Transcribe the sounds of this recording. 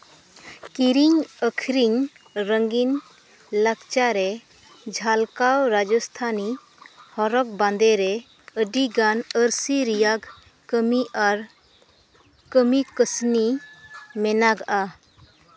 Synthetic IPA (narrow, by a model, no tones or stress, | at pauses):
kiɾiɲəkʰɾiɲ | ɾəŋɡin | ləkt͡ʃaɾɛ | d͡ʒʱalkawɾad͡ʒɔst̪ʰani | hɔɾɔk̚band̪ɛɾɛ | əɖiɡanəɾsiɾijaɡ | kəmiʔaɾ | kəmikəsni | mɛnaɡaʔa